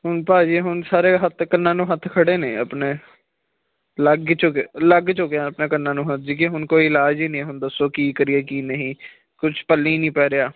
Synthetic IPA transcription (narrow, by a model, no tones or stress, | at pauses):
ɦʊnpaːd͡ʒiːɦʊnsaːɾeːɦət̪ʰkənːãːnũːɦət̪ʰkʰəɽeːneːəpneː | ləɡt͡ʃʊkːləɡt͡ʃʊkeãəpnaːkənːãːnũːɦət̪̚ʰd͡ʒiːkeɦʊnkoːiːɪlaːd͡ʒiːnĩːɦʊnd̪əsːoːkiːkəɾieːkiːnəɦĩː | kʊt͡ʃʰpəlːĩːnĩːpɛːɾeaː